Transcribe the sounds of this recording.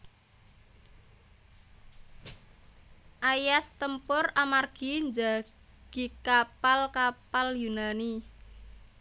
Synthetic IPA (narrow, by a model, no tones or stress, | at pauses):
ʔajast̪əmpʊramarɡ̥iɲd͡ʒa | ɡ̥i̤kapalkapaljunani